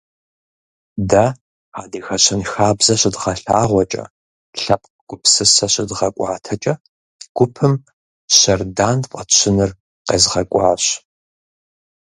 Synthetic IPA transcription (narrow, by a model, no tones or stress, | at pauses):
dɐ | aːdiːxɐɕʰɪnxaːbzɐɕʼɪdʁɐɬaːʁʷɔt͡ʃʼɐ̰ | ɬɐp̚ʰʼɡ̥ʷʊpʰsɨsɐɕɪdʁɐkʷʼɑːtʰɐt͡ʃʼɐ | ɡ̥ʷʊpʰɨm | ɕɐrdaːnqʼɐɕʷʰɪnɨr | qḛːzʁɐkʷʼɑːɕ